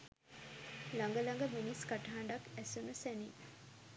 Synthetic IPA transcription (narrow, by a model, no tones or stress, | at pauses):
laŋɡəlɐŋɡəminiskaʈɐɦaɳɖɐkɛsunusæni